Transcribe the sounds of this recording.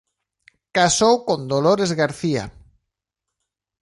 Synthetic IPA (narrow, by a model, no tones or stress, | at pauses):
kasowkond̪oloɾezɣaɾθia̰